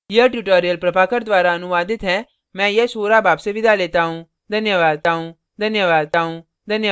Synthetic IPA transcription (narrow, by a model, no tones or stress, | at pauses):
jəʈjuʈoːɾijəlpɾɐpaːkəɾd̪ʋaːɾaɐnʊʋaːd̪ɪt̪ɦɛ̃ | mɛ̃ːjɐsoːɾabaːpseʋɪd̪ʱaleːt̪aɦũ | d̪ʱɐnjəʋaːd̪̚t̪aɦũ | d̪ʱɐnjəʋaːd̪̚t̪aɦũ | d̪ʱɐnjə